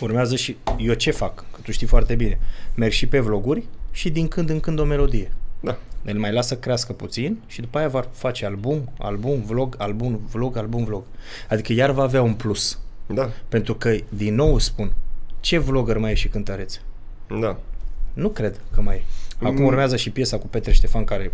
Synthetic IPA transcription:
urmeazəʃijot͡ʃe̞fakːət̪uʃt̪ifoart̪e̞bine̞merɡʃipe̞vlo̞ɡurʲʃid̪iŋkɨnd̪ɨŋkɨnd̪o̞me̞lo̞d̪ije̞d̪aelmajlasəkɾeaskəput̪sinʃid̪upaeavafat͡ʃe̞albuma̰lbumvlo̞ɡalbunvlo̞ɡalbumvlo̞ɡ̥ | ad̪ikəjarvaːveaunplusape̞nt̪ɾukəd̪inːo̞wspunt͡ʃe̞vlo̞ɡərmajeʃikɨnt̪əɾe̞t̪s | anukɾe̞d̪kəmajakumurmeazəʃipje̞sakupe̞t̪ɾeʃt̪e̞fankaɾe̞

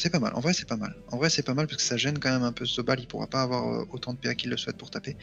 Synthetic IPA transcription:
sɛpama̰lʔɑ̰̃vʁɛsɛ̥pama̰lɑ̃vʁɛsɛpamalpaʁskə̥saʒɛnkɑ̃mɛmɛ̃pøsobalilpuʁa̰paːvwaʁø̰ot̪ɑ̃d̪əpɛʁkʲilːəswɛt̪̚puʁt̪ape

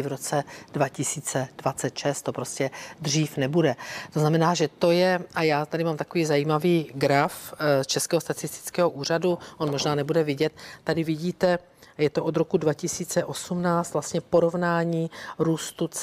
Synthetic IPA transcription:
ɪvɾot͡sɛd̥vacɪsiːt͡sɛd̥vat͡sɛt̪ʃɛst̪ːo̞pɾo̞scɛd̪r̝iːfnɛbudɛt̪oznamɛnaːʒɛt̪o̞jɛʔajaːt̪adɪmaːmt̪ako̞viːzajiːmaviːɡɾaft͡ʃɛskɛːɦost̪at͡sɪst̪ɪ̥t͡skɛːɦoʔuːr̝aduʔo̞nmo̞ʒnaːnɛbudɛvɪɟɛt̪̚ːadɪvɪɟiːt̪ɛ | jɛt̪oʔod̪ɾo̞kudvacɪsiːt͡sɛʔo̞sumnaːt͡st̪vlast̪ɲɛpo̞ɾo̞vnaːɲiːɾuːst̪ut͡s

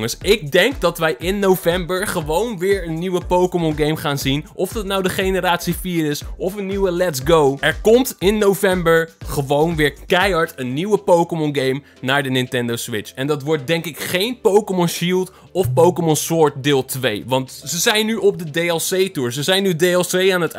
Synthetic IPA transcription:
ŋəsɪɡ̚dɛŋk̚dɑtʋɛjʔɪnːowvɛmbəɹχəʋownʋɪːɹənːiʋəpowkəmɔnɡejmχaːnzinʔɔfdɑtnawdəχejnəɾaːtsifiːɾɪsɔfənːiwəlɛtsɡowʔɛɹkɔmtɪnːowvɛmbəɹχəʋownʋɪːɹkɛjɑɹtənːiwəpowkəmɔnɡejm | naːɹdənɪntɛndowsʋɪt͡ʃɛndɑtʋɔɹt̚dɛŋkɪkχejnpowkəmɔnʃilˠt | ɔfpowkəmɔnsɔɹt̚dɪːlˠtʋejʋɑntsəzɛjnyɔp̚dədejɛlˠsejtuːɹsəzɛjnydejɛlˠsejaːnət

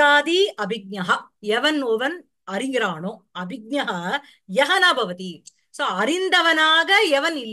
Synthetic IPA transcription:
aːd̪iɐbʱiɡ̚nɐɦɐɛʋɐnoʋɐn | ɐɾiŋɡɾaːɳoː | ɐbʱiɡ̚nɐɦɐ | jɐɦɐnabʱɐʋɐt̪i | soːɐɾind̪ɐʋɐnaːɡɐɛʋɐnilː

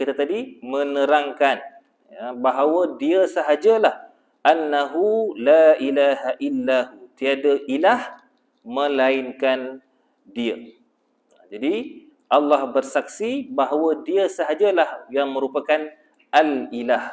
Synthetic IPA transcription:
kit̪at̪adimə̃nəɾaŋkan | abaɦawədiəsəɦad͡ʒalah | ʔanːaɦulailaɦaʔilːaɦut̪iadaʔilah | mə̃laɪnkan | diə | d͡ʒadi | ʔalːahbərsak̚sibaɦawədiəsəɦad͡ʒalahjaŋmə̃ɾupakan | ʔalilah

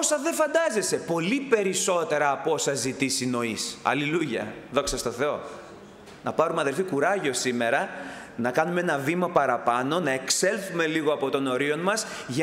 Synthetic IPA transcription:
osɐðe̞fɐnd̪ɐze̞se̞po̞lipe̞ɾiso̞t̪e̞ɾɐːpo̞sɐzit̪isino̞isɐ̰liluʝɐ̰ðo̞ksɐst̪o̞θe̞o̞ | nɐ̰pɐɾumeɐðe̞lfikuɾɐʝo̞sime̞ɾɐ | nɐkɐnumeenɐvimɐpɐɾɐpɐno̞nɐe̞kse̞lθume̞liɣoɐpo̞t̪o̞no̞ɾio̞nmɐs | ʝɐ

